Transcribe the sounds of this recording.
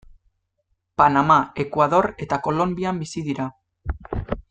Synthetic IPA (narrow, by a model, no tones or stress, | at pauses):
panamae̞kwaðo̞ɾe̞t̪ako̞lo̞mbiambisiðiɾa